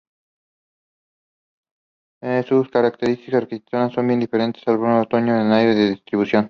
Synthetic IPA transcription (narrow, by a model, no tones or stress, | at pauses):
esuskaɾakt̪eɾist̪ikasɾkit̪et̪sonasːombje̞nd̪ifeɾe̞nt̪esalβonoot̪oɲoenlajɾeðeðist̪ɾiβusjon